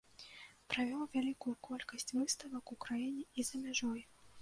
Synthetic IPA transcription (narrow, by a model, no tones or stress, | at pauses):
pɾavʲɔwvʲalʲikujukʰɔlʲkɐsʲt͡sʲvɨst̪ɐvɐkukɾajinʲɛizɐmʲaʐɔj